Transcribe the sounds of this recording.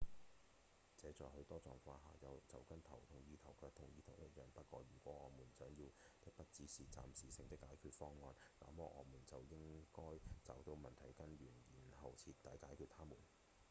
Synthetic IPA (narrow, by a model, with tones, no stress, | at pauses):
t͡sɛː˨˥t͡sɔː˨hɵ˧ɥt̪ɔː˥t͡sɔː˨ŋfaː˧ɦaː˨˩jɐ˨˧wt͡sɐ˨wkɐ˥nt̪ʰɐ˨˩wt̪ʰʊ˨˩ŋjiː˨˧t̪ʰɐ˨˩wkœː˧k̚t̪ʰʊ˨˩ŋjiː˧t̪ʰɐ˨˩wjɐ˥t̚jœː˨˩npɐ˥t̚kʷɔː˧ɥyː˨˩kʷɔː˨˥ŋɔː˨˧muː˨˩nt͡sœː˨˥ŋjiː˧wt̪ɪ˥k̚pɐ˥t̚t͡siː˨˥siː˨t͡sa̰ː˨msiː˨sɪ˧ŋt̪ɪ˥kːaː˨˥jkʰyː˧t̚fɔː˥ŋːɔː˧nla̰ː˨˥mɔː˧ʔɔː˨˧muː˨˩nt͡sɐ˨wjɪ˥ŋkɔː˥jt͡sɐː˨˥wt̪o˧wmɐ˨nt̪ʰɐ˨˩jkɐ˥nɥyː˨˩njiː˨˩nhɐ˨wt͡sʰiː˨˧t̚t̪aː˨˥jkaː˨˥jkʰyː˧t̚t̪ʰaː˥muː˨˩n